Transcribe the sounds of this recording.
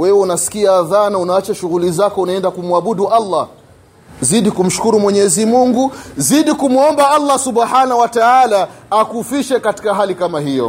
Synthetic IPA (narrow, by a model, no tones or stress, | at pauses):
wɛwɛunasi̥kiaːðanaunaat͡ʃaʃuɣulizakɔunaɛndakumwaɓuɗuʔalˤːa | ziɗikum̩ʃu̥kuɾumwɛɲɛzimuŋɡuziɗikumuɔmbaalːasuɓħanawataalaːkufiʃɛkati̥kaɦalikamaɦijɔ̰